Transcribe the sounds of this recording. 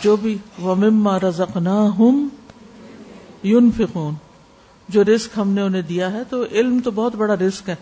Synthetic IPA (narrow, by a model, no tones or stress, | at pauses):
d͡ʒoːbʱiʋɐmɪmːaːɾɐzɐqnaːɦʊm | jʊnfɪquːn | d͡ʒoːɾɪzkɦɐmneʊnɦẽd̪ijaɦɛt̪oʔɪlmt̪obɔɦːʊt̪bɐɽaɾɪskɦɛː